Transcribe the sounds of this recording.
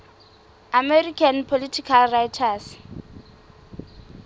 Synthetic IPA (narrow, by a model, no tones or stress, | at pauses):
amɛrikʰanpʰolitʰikʰalrajtʰas